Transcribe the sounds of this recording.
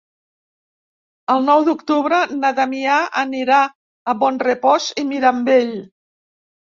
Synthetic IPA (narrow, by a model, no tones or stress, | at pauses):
əlˠnɔwd̪ukt̪uβɾənat̪amiaəniɾaː | βɔnrepɔzimiɾambeʎ